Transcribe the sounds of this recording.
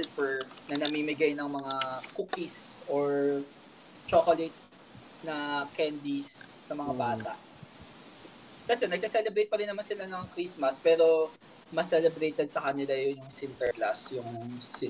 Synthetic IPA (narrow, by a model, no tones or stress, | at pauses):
lpɛɹnɐnɐmiːmɪɡajnɐŋmɐŋakukisʔoɹ | t͡ʃokolɛt̪̚ | nɐkɛnd̪isː | ɐmɐŋabaːt̪a̰ʔ | t̪ɐsɛnɐɡ̚sɐsɛlɛbɾejt̪̚pɐɾɪnːɐmansɪlanɐŋkɾismɐspɛːɾo̞ | mɐsɛlɛbɾejt̪ɛd̪̚sɐkɐnɪlajʊnjʊŋsɪnt̪ɛɹklasjʊŋsɪ